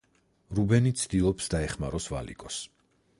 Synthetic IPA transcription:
ɾubɛnit̪sʰd̪ilˠɔpsd̪aɛχmaɾɔsva̰lḭkʼɔs

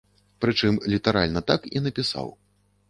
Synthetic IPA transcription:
pɾɨt͡ʂɨmlʲit̪aɾa̰lʲnɐt̪akḭnɐpʲisa̰w

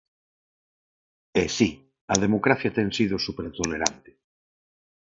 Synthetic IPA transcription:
esi | ɐðemokɾaθjat̪eŋsiðʊsupeɾt̪oleɾant̪ɪ̥

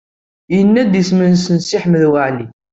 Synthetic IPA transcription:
jənːæd̪əsmənnsənsiħməðwaʕli

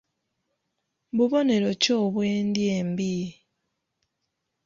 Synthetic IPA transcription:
βuβo̞ne̞ɾocoβweːndjembi

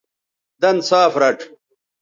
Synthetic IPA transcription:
d̪ɐnsaːfɾɐʈʰ

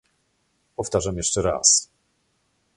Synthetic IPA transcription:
pɔft̪aʐamjɛʂt͡ʂɛɾa̰s

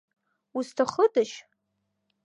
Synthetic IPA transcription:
ustʰaχədaʃ

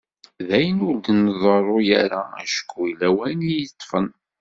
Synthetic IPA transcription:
ðæjənʊld̪ənðˤərˤːojæɾææ̰ʃə̥kʰːujlːæwænijət̪ˤːfən

